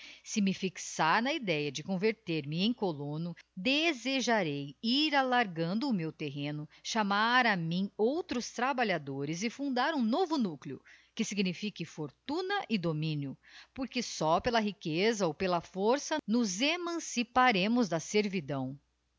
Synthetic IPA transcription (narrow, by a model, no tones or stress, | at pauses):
sɪmɪfiksaɾnɐid̪ɛjɐd͡ʒɪkõveɾt̪eɾmɪẽj̃kolõnʊd̪ezeʒaɾejiɾalaɾɡɐ̃nd̪ʊːmewt̪eɦẽnʊʃamaɾɐmĩowt̪ɾʊst̪ɾabaʎad̪oɾɪzɪfũnd̪aɾũnovʊnukliʊ̰kɪsiɡnifikɪfoɾt̪ũnɐʔɪd̪omĩnjʊpoɾkɪsɔpelɐɦikezɐowpelɐfoɾsɐnʊzemɐ̃sipaɾẽmʊzd̪ɐseɾvid̪ɐ̃w̃